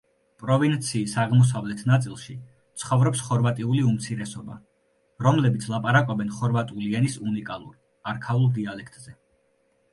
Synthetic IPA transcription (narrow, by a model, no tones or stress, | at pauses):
pʼɾɔvint̪sʰiːsaʁmɔs̬avlɛt̪ʰnat̪sʼilˠʃi | t̪sʰχɔvɾɔpsχɔɾvat̪ʼiuliumt̪sʰiɾɛsɔba̰ | ɾɔmlɛbit̪sʰlˠapʼaɾakʼɔbɛnχɔɾvat̪ʼuliɛnisunikʼalˠṵɾ | aɾkʰaulˠd̪ialɛkʰt̪ʼz̥ɛ